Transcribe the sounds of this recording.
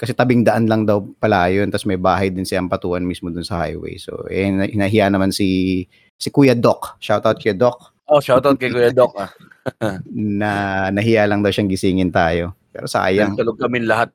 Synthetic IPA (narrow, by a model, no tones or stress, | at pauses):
kɐsɛt̪ɐbɪŋd̪ɐʔanlɐŋd̪ɐwpɐlajont̪ɐsmɐjbaːɦɐjd̪ɪnsɪlaɐŋpɐt̪uːʔɐnmismod̪ʊnsɐha̰jwɛ̰jso̰ʔɛnhnɐɦɪjanɐmansi | sɪkujɐd̪okʃawt̪awt̪̚kɐjd̪ok̚ | ʔoʃawt̪awt̪̚kɐjkujɐd̪ok̚a | nɐnɐɦɪjalɐŋd̪ɐwʃaŋɡɪsiːŋɪnt̪aːjo̞pɛ̰ːɾosɐʔa̰ːjɐŋt̪ɐloɡ̚kɐmɪnlɐɦat̪̚